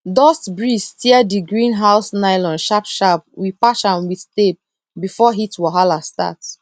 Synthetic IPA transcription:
dɔstbɹistʰiɛdiɡɹĩnɦaʊsnaɪlɔ̃nʃapʃap̚wipat͡ʃãnwiθstep̚ | bifɔɦitwɔɦalasta̰t

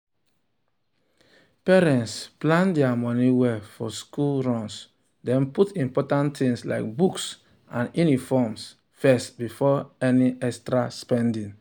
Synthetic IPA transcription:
pɛɹɛ̃ntsplãndɛamɔniwɛfɔskulɹɔ̃ns | dɛ̃nputĩmpɔtãntĩŋsla̰ɪk̚buks | ãnunifɔms | fɛstbifɔɛniɛkstɹaspɛ̃ndĩn

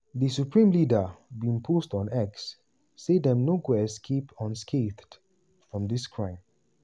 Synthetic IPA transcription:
ðəsupʰɹĩmlidəbĩŋpʰostɔ̃nɛksː | edɛ̃mnoɡwɛɛskʰepɔ̃nskʰeθd | fɹɔ̃mðɪskʰɹãɪ̃m

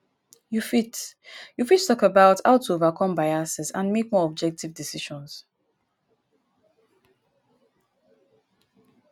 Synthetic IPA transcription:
jufitjufittɔkəbaʊthaʊtʰuovakʰɔ̃mbaɪasɛsã̰nmek̚mɔɔb̚d͡ʒɛk̚tivdisiʃɔ̃ns

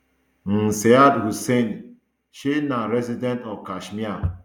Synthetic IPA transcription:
n̩seadɦusen | ʃinaɾezidentɔkaʃmia

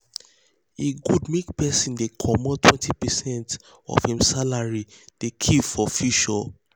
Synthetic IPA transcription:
eɡudmekpɛsĩndekʰɔmɔtʰwɛ̃ntʰipɛsɛ̃nt | ɔ̰v̥hĩmsalaɹid̥ekʰivɔfiʃal

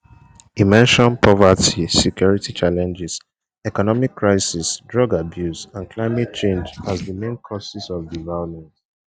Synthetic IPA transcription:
imɛ̃nʃɔ̃npʰɔvatisɛkjɔɹitit͡ʃalɛ̃nd͡ʒɛs | ɛkɔnɔmikːɹaɪsisdɹɔɡabjusãnklaɪmɛt̚t͡ʃẽnd͡ʒazðəmẽnkʰɔsisɔvdivɛlɔpmɛ̃nt

